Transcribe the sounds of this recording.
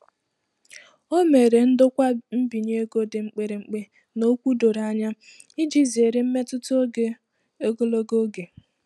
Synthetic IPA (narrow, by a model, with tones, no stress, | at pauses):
o˦me˨ɾe˨n̩˦dʊ˦kʷa˦m̩˦bi˨ɲ˦e˦ɡo˦de˨ŋ͡m̩˨k͡pe˨ɾe˨ŋ͡m̩˨k͡pe˦ | no˦kʷu˦do˨ɾa˨ɲa˦ | i˦d͡ʒi˦zi˨e˨ɾe˨m̩˦me˦tʊ˦to˦ɡe˨ | o˦ɡo˦lo˦ɡo˦ɡe˨